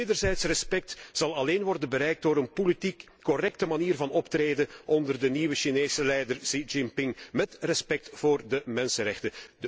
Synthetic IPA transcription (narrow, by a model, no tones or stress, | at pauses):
eːdərzɛjtsrɛspɛk̚tzɑlˠɑleːnʋɔrdənbəɾɛjk̚doːɾənpoliti | kːɔrɛk̚təmaniːrvɑnɔptreːdənʔɔndərdəniʋəʃineːsəlɛjdərsid͡ʒɪmpɪŋmɛtrɛspɛk̚tv̥oːrdəmɛnsənrɛxtədə